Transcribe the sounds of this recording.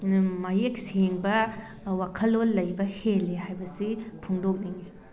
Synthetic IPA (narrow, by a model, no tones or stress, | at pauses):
majek̚seŋbɐ | wakʰɐlːolːɐjbɐhelːehajbɐsipʰuŋdok̚niŋi